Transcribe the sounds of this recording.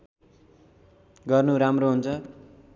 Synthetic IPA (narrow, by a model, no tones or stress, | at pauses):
ɡʌrnuɾamroɦunt͡sʰʌ